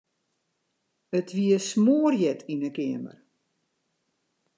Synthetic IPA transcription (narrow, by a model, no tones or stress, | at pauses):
ətʋiəsmoːərjɛtʰinəkɪəmə̰r